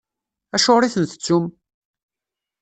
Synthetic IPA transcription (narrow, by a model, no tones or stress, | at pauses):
æʃoɾiθənθə̥t͡sːum